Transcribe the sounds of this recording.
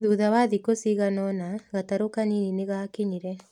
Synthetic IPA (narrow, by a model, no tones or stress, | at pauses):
ðuːðawaðikosiːɣanɔnaɣataɾokaninineɣakiɲiɾɛ